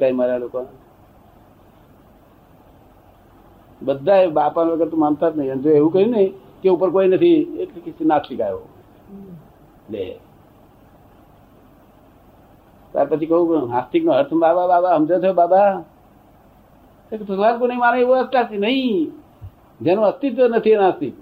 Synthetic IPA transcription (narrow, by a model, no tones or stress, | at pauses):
kaimaɾalokã | bəd̪ːaebapanəɡəɾt̪umamt̪ʰat̪nəiənt̪eeɦukəɾine | k̪eupəɾkoinət̪ʰielikisinat̪ʰlikajo̰ | lḛ | ka̰ɾpət͡ʃʰikəɦũkɦast̪iknoɦəɾt̪ʰəmbaːbababaɦəmd͡ʒət̪ʰjobaba | t̪ekt̪ʰəkbaːnkonəĩmaːneoəst̪at͡ʃinəĩ | d͡ʒenoəst̪it̪nət̪ʰienast̪it̪̚